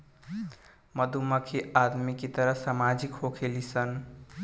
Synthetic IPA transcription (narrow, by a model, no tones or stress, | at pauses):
məd̪ʱuməkʰead̪mikit̪əɾəsamad͡ʒikɦokʰelisən